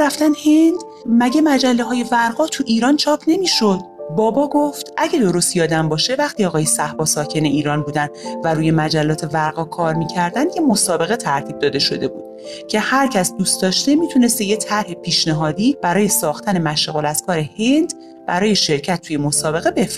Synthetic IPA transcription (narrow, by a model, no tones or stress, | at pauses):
ɾæft̪ænhend̪̥ | mæɟe̞mæd͡ʒælːeɦɒːje̞væɾɢɒːt̪ʰuʔiːɾɒːnt͡ʃʰɒːpʰne̞miːʃo̞d̪̥̚bɒːbɒːɡo̞ft̪ʔæɟed̪o̞ɾost̪jɒːd̪æmbɒːʃe̞væxt̪ʰiɒːɣɒːjesæhbɒːsɒːcʰe̞ne̞iːɾɒːnbuːd̪ænd̪væɾuːje̞mæd͡ʒælːɒːt̪ʰe̞væɾɣɒkʰɒːɾmiːcʰæɾd̪ænd̪jemosɒːbe̞ɣe̞t̪ʰæɾt̪ʰiːb̚d̪ɒːd̪e̞ʃo̞d̪e̞bṵːd̪̥̚ | cʰe̞hæɾcʰæsd̪uːst̪d̪ɒːʃt̪e̞miːt̪ʰune̞st̪ejet̪ʰæɾhepʰiːʃneɦɒːd̪iːb̥æɾɒːjesɒːxt̪æne̞mæʃeɣo̞læzkʰɒːɾehe̞nd̪ | b̥æɾɒːje̞ʃe̞ɾcʰæt̪ʰːujemosɒːbe̞ɣe̞be̞fɾ